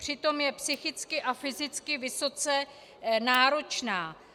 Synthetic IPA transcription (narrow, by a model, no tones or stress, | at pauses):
r̝̥ɪt̪o̞mjɛpsɪxɪt͡skɪʔafɪzɪt͡skɪvɪso̞t͡sɛ | naːɾo̞t͡ʃnaː